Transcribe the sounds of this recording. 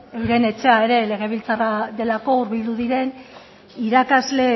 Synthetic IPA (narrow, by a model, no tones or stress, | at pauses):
ewɾe̞ne̞t͡ʃe̞ae̞ɾe̞le̞ɣ̞e̞β̞ilt͡saraðe̞lako̞uɾβild̪uðiɾe̞n | iɾakazle̞